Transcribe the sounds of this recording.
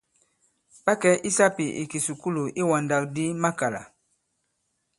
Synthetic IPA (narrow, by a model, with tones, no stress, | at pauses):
pa˦kɛ˦ʔi˦sa˦pi˨ʔḭ˨ki˨su˨ku˦lu˨ʔi˦wa˨nda˨k̚di˦ma˦ka˨la̰˨